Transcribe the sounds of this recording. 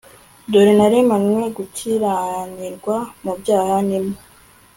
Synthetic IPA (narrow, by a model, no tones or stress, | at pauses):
doɾinaɾemanwe̞ɡutʰiɾaɲiɾɡwamubjaːhaɲimo